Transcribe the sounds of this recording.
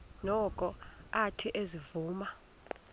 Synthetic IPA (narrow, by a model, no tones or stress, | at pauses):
nɔkʼɔatʰiʔezivuːma